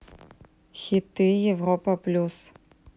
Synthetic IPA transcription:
xʲit̪ːɨjɛvrɔpɐplʲus

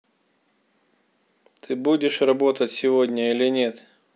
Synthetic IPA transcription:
t̪ʰɨbudʲɪʂrɐbo̞t̪ətʲsʲɪvodʲnʲəilʲɪnʲet̪

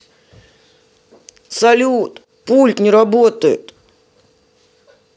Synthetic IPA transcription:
sɐlʲut̪ | pulʲt̪nʲɪɾɐbot̪əjɪ̰t̪

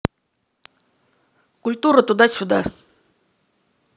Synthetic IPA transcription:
kʊlʲt̪uɾət̪ud̪ɑsʲʊd̪a̰

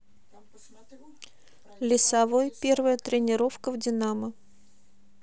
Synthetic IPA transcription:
lʲɪsɐvojpʲe̞rvəjət̪ɾʲɪnʲɪɾo̞fkəvdʲɪnamə

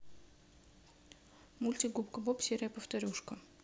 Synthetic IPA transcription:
mulʲtʲiɡupkɐbopsʲeɾʲɪjəpəft̪ɐɾʲuʂkə

